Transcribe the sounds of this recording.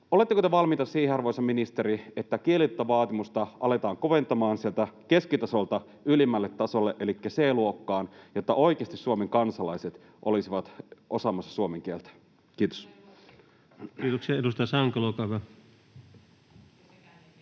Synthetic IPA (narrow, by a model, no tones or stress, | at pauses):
o̞le̞t̪ːekot̪eʋɑlmit̪ɑsiːheɑrʋojsɑminist̪e̞ɾiet̪ːækieliet̪ːɑʋɑːt̪imust̪ɑʔɑle̞t̪ɑːŋkoʋent̪ɑmɑːnsielt̪æke̞skit̪ɑsolt̪ɑ | ylimːælːet̪ːɑso̞lːeʔe̞likːæseːluokːɑːnjot̪ːɑʔo̞ik̟eɑst̪issuomeŋkɑnsɑlɑjset̪ | ʔo̞lisiʋɑt̪ʔo̞sɑmɑsːɑ̥suomeŋk̟ielt̪æ̥ | kiːt̪o̥s | kiːt̪oksiɑedust̪ɑjɑsɑŋkɑlokɑʋɑ